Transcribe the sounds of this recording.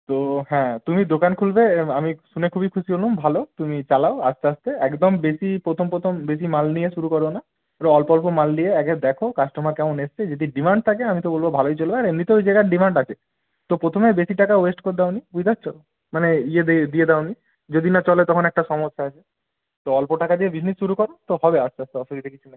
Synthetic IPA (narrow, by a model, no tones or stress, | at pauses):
t̪oɦɛ̃t̪umid̪okankʰulbeamiʃunekʰubikʰuʃiɦolumbʱalot̪umit͡ɕalaoa̰st̪east̪eɛkd̪ɔmbesipɾot̪ʰompɾot̪ʰombes̬imalnijeʃuɾukɔɾena | ɾoɔlpɔlpomalːieɛkeɾd̪ɛkʰokasʈomakɛmonest͡ɕʰed͡ʑed̪iɖimaɳɖ̚t̪ʰakeamit̪obolbobʱalojt͡ɕolbeaɾemnit̪oojd͡ʑeɡaʈɖimaɳɖat͡ɕʰe | t̪opɾot̪ʰomebesiʈakawesʈkoɾd̪aonibujd̪ast͡ʃʰɔ | maneied̪ijed̪aoni | d͡ʑod̪inat͡ɕɔlet̪ɔkʰonɛk̚ʈaʃɔmosːaat͡ɕʰe | t̪oɔlpoʈakad̪iebisnesːuɾukɔɾet̪ohɔbeast̪east̪eɔsokid̪ekit͡ɕʰune